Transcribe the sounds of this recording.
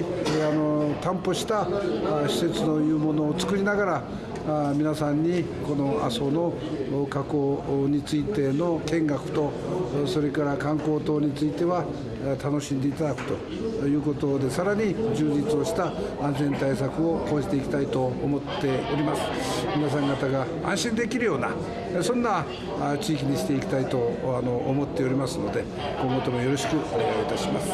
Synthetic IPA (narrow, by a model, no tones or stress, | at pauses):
ano̞t̪ãmpo̞ɕi̥t̪aɕi̥se̞t͡sɨno̞jɯ̟ːmo̞no̞ːt͡sɨ̥kɯ̟ɾʲinaɡaɾa | mʲinasãɲ̟ːi | ko̞no̞a̰so̞no̞ | kako̞ɲ̟it͡sɨit̪e̞no̞kẽ̞ŋɡakɯ̟̥t̪o̞ | so̞ɾe̞kaɾakãŋko̞ːt̪o̞ːɲ̟it͡sɨit̪e̞βa | t̪ano̞ɕĩnd̪e̞it̪ad̪akɯ̟̥t̪o̞ | jɯ̟ːko̞t̪o̞d̪e̞saɾaɲ̟id͡ʑɨːd͡ʑit͡sɨo̞ɕi̥t̪aãnzẽ̞nt̪ais̬akɯ̟o̞k̪o̞ːd͡ʑit̪e̞ikʲi̥t̪ait̪o̞ːmo̞t̪ːe̞oɾʲimasɨ̥ | mʲinas̬ãŋɡat̪aɡa | ã̰ɰ̃ɕĩnd̪e̞kʲiɾɯ̟jo̞ːna | sõ̞nːa | t͡ɕiːkʲiɲiɕi̥t̪e̞ikʲi̥t̪ait̪o̞ano̞ʔːmo̞t̪ːe̞o̞ɾʲimasɨno̞d̪e̞ | kõ̞ŋɡo̞t̪o̞mojo̞ɾo̞ɕi̥kɯ̟ʔoneɡaoit̪aɕimasɨ̥